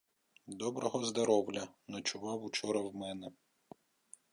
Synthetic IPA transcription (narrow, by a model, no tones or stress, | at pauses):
d̪ɔbɾɔɦɔzd̪ɔɾɔwlʲɐnɔt͡ʃʊʋɑwut͡ʃɔɾɐwmɛnɛ